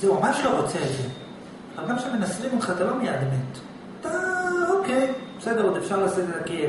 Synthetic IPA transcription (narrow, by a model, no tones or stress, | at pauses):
zemamaʃloʁot͡seze | alɡamʃemenasʁimulχat̪alomejad̪emet̪ | t̪aokejbesed̪eʁud̪efʃaʁlasidtaki